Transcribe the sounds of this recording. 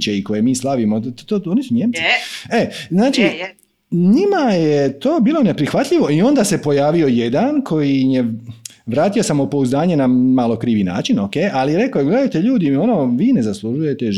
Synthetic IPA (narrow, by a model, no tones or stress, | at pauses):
t͡ʃeiko̞je̞miːslˠaʋimot̪oːonisuɲemtsieznaːt͡ʃi | ɲimajet̪o̞ːbiːlˠo̞ne̞pɾixʋat̪ʎiʋo̞io̞nd̪aːse̞po̞jaːʋio̞je̞d̪ankʰo̞jije̞ʋɾaːt̪io̞samupo̞uzd̪aːɲe̞namalo̞kɾiːʋina̰ːt͡ʃino̞keːjʔaliɾe̞kojeɡle̞d̪ajt̪e̞ʎuːd̪io̞noːʋiːne̞zaslˠuʒuje̞t̪e